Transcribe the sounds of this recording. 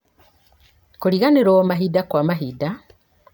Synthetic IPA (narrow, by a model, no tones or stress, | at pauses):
kuliɣaneɾoːmaɦidakwamaɦida